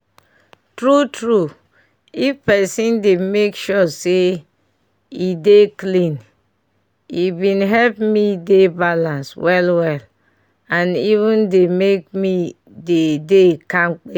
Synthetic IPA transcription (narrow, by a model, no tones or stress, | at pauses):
tɹutɹu | ifpɛsĩndemekʃɔse | ideklĩn | ibĩnɦɛlpmidebalãnswʔɛlwɛl | ãnivũndemek̚mi | dedekãmk͡pe